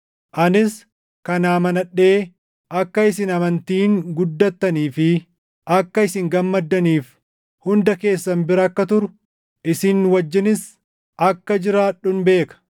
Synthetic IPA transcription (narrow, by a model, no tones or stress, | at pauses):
ʔɐnɪs | kɐnaːmɐnɐᶑe̞ː | ʔɐkːɐɪsɪnɐmɐnt̪iːŋɡʊd̪ːɐt̪ːɐniːfɪ | ʔɐkːɐɪsɪŋɡɐmːɐd̪ːɐniːf | hʊnd̪ɐke̞ːsːɐnbɪɾɐɐkːɐt̪ʊɾʊ̥ | ʔɪsɪnwɐd͡ʒːɪnɪs | ɐkːɐd͡ʒɪɾaːᶑːʊnbe̞ːkɐ̥